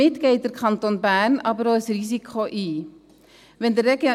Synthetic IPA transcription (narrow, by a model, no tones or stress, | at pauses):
ɛtkɛjtərkʰɐntɔnbæːnɐbɾɑːəsrisikʰɑːʔi | vənd̪əɾɛk